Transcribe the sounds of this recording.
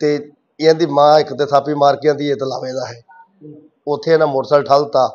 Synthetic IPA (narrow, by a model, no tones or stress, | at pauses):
t̪eː | ɪãːd̪iːmãːɪkt̪eːsʰaːpiːmaːɾkɪjãːd̪iːeːt̪la̰ːʋeːd̪aːɦɛː | ʊt̪ʰːeːnãːmʊɾsəlʈʰaːlt̪aː